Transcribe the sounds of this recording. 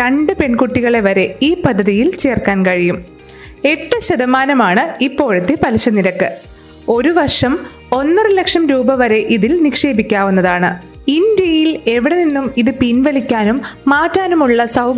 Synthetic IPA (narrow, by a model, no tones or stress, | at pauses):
ɾɐɳɖɨpe̞ɳkuʈːiɣɐɭeʋɐɾe̞iːpɐd̪ʱːɐðijilt͡ɕe̞ːrkaːnkɐɻijum | e̞ʈːɨɕɐðɐmaːnɐmaːɳɨipːo̞ːɻut̪ːɨpɐliɕɐniɾɐkːɨ | o̞ɾuʋɐrʂɐm | o̞nːɐrɨle̞kʂɐmɾuːbɐʋɐɾe̞ʔiðilnikʂe̞ːbikʲːaːʋunːɐðaːɳɨ | ind̪jɐjile̞ʋiɽe̞ninːumiðɨpinʋɐlikʲːaːnumːaːtːaːnumuɭːɐsɐw